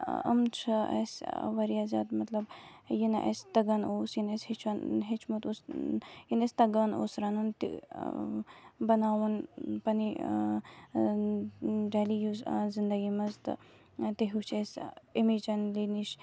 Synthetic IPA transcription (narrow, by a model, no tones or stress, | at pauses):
ə̰mt͡ʃʰɐɐ̰sʋɐɾijazʲɐd̪mɐt̪lɐb | jinʔḛst̪ɐɡɐnoːsjineshit͡ʃʰɐnɦit͡ʃʰmut̪usjinesʲt̪ɐɡɐno̰ːsɾɐnunt̪ḭ | bɐnaːwunpɐni | ɾeːlijuzzind̪ɐɡimɐzt̪ɨ̰ | t̪iɦut͡ʃʰesimit͡ʃɐnliniʃ